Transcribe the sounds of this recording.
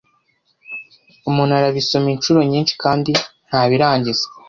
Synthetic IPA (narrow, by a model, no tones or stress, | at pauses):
umuːnaɾaβiso̞minʃuɾo̞ɲiːnʃi̥kaːndin̥haːβiɾaːɲɟiz̥e